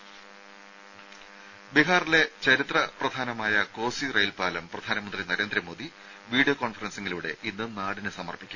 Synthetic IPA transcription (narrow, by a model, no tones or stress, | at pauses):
biɦaːrle̞t͡ɕɐɾit̪rɐprɐd̪ʱaːnɐmaːjɐko̞ːsirɐjlpaːlɐmprɐd̪ʱaːnɐmɐnd̪rinɐɾe̞ːnd̪ɾɐmoːd̪i | ʋiːɽijokoːnfɐrɐnseŋːɡiluɽe̞̰ʔinːɨnaːɽinɨsɐmɐrpikʲːum